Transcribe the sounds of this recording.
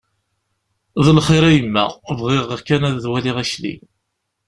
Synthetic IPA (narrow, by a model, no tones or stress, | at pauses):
ðəlχiɾæjəmːæ̰vʁɪʁəkænæððwæliʁæʃlḭ